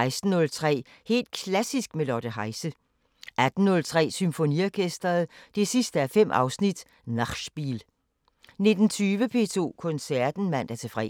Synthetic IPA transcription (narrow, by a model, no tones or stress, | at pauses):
ɪsd̥n̩ːɔ̽lt͡sʰʁɛ̰ː | he̝̰ːld̥̚kʰlæsisɡ̥̚melɒd̥əɦɑ̈ɪsə | ʔæd̥n̩ːɔ̽lt͡sʰʁɛ̰ːsymfo̝niɒkʰesd̥ɐð̩ˠd̥e̝sisd̥əæɐfem̰ʔɑ̈ʊsnid̥ | nɑ̈ʃb̥ḭːl | ne̝d̥n̩t͡sʰyːʋəpʰe̝̰ːt͡sʰo̝̰ːkʰɔ̽nsæɐd̥n̩mæn̰d̥æɐt͡sʰe̝fʁɛ̰ː